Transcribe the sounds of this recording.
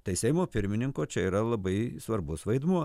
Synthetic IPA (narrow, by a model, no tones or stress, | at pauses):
t̪ɐɪsʲɛɪmoːpʲɪɾʲmʲɪnʲɪŋkoːt͡ʃʲɛiːɾɐlˠɐbɐɪsʋɐɾbʊsʋɐɪd̪muɔ